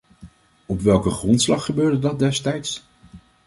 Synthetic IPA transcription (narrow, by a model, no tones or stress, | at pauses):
ɔpʋɛlˠkəχrɔntslɑχːəbøːɹdədɑt̚dɛstɛjts